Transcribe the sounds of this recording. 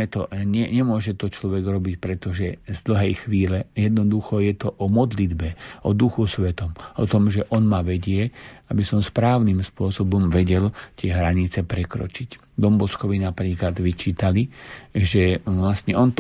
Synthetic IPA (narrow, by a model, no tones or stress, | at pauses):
ɛt̪ɔ̰ɲɛɲɛmʊɔʒɛt̪ɔt͡ʃlɔʋɛɡɾɔbicpɾɛt̪ɔʒɛzd̪l̩ɦɛjxʋiːlɛjɛd̪nɔd̪uxɔjɛt̪ɔʔɔmɔd̪lid̪bɛɔd̪uxusʋɛt̪ɔmʔɔ̰t̪ɔmʒɛʔɔnmaːʋɛɟɪɛabisɔmspɾaːʊnimspʊɔsɔbɔmʋɛɟɛlt̪ɪɛɦɾaɲit͡sɛpɾɛkɾɔ̰t͡ʃic | d̪ɔmbɔskɔʋinapɾiːklad̪ʋit͡ʃiːt̪aliʒɛʋlast̪ɲɛʔɔnt̪